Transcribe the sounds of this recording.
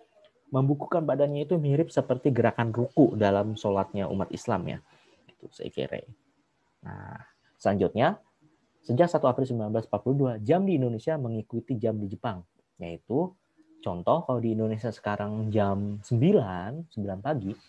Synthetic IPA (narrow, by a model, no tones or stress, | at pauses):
məmbukukanbadanɲait̪umiɾɪp̚səpərt̪iɡəɾakanrukuʔdalamsolat̪̚ɲaṵmat̪isla̰mja̰ | ɡit̪usə̰ḭkḛɾḛ | na̰ | səlaɲd͡ʒʊt̪̚ɲa | səd͡ʒak̚sat̪uapɾɪlsəmbilanblasmpat̪̚puluhduad͡ʒamdiːndonesiaməŋikut̪id͡ʒamdid͡ʒəpaŋ | jait̪u | t͡ʃɔnt̪ɔhkaladiːndonesiasə̥kaɾaŋd͡ʒamsəmbilansəmbilanpaɡi